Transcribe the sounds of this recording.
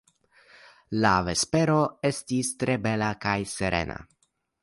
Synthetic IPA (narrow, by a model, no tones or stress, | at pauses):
lave̞speɾo̞e̞stistɾe̞be̞lakajseɾe̞̰na̰